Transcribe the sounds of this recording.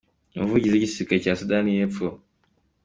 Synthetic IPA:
ovuɟizecisikecasudanijepfo

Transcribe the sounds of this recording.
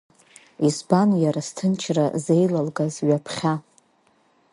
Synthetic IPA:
ispanjaɾastʰɨnt͡ʃʰrazejlalɡazɥapʰχʲa

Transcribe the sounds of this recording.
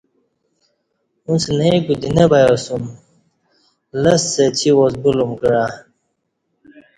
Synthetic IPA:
unsɨnaiɡudinəbajosum | ləsət͡ʃʰiwɔsbulumɡəɾa

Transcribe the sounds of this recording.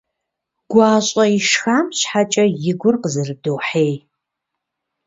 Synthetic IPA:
ɡ̥ʷɑːɕʼɐiʃxaːmɕħat͡ʃʼɐjɪɡʷʊrqəzɨrɨdɨwħeːj

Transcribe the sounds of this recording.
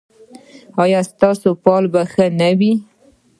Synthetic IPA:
ɑjɑst̪ɑsopɑlbaxənawi

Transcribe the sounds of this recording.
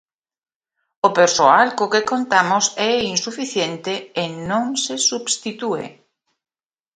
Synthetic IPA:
opeɾsoalkokekont̪amʊsɛinsufiθjent̪eːnõŋsesubst̪it̪uḛ

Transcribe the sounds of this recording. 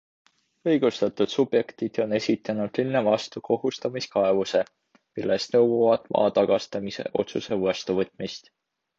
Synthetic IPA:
ɤjɡ̥ust̪ɑt̪ud̪̥sub̥je̞kt̪id̪̥o̞ne̞sʲit̪ːˑɑnud̪̥linːevɑst̪ukʰo̞ɦust̪ɑmiskɑe̞vuse̞ | milːest̪nɤwːuvɑd̪̥mʔɑ̰ːt̪ɑɡ̥ɑst̪ɑmise̞̰ʔo̞t̪suse̞vost̪uvɤt̪ːˑmist̪

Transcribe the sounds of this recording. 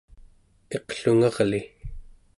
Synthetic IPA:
e̞qɬuŋɑʁli

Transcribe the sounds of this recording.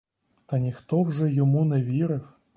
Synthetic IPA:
t̪ɐnʲixt̪ɔwʐɛjɔmunɛʋʲiɾɪw

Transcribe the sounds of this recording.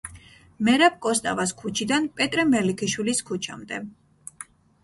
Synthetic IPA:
mɛɾap̚kʼɔst̪ʼavaskʰut͡ʃʰid̪anpʼɛt̪ʼɾɛmɛlikʰiʃwiliskʰut͡ʃʰa̰md̪ɛ̰

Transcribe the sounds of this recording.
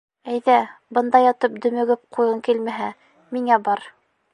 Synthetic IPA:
æjðæbɤ̆nd̪ɑjɑt̪ɤp̚d̪ɵ̆mɘ̆ɡɘp̚qʰujɤŋkilmæɦæ | miŋæbɑɾ

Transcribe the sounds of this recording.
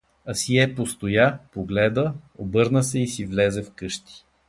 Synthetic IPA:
ɐsiɛpost̪ojapoɡlɛd̪əobɤɾnəsɛisivlɛzɛfkɤʃt̪i̥

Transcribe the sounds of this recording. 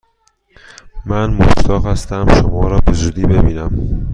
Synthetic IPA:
mænmoʃt̪ʰɒːʁhæst̪æmʃomɒːɾɒːbe̞zuːd̪iːbe̞biːnæm

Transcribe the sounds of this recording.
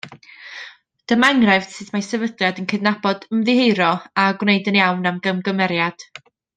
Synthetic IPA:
d̥əmaŋrɛv̥sɨθmasɛvədlˠjadənkʰəɨdnabɔdəmðɪhejɾɔaɡwnejdənjawnamɡəmɡəmɛɾjad̥

